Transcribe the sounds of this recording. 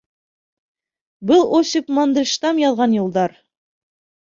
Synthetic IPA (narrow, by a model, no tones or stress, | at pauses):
bɤlˠosʲɪpmɑnd̪ɘ̆lʲʃt̪ɑmjɑðʁɑnjulˠd̪ɑɾ